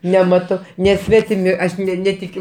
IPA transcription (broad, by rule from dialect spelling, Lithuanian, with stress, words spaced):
nʲɛˈmɑːtoː nʲɛˈsʲʋʲæːtʲɪmʲɪ ˈɐʃ ˈnʲæːtʲɪkʲʊ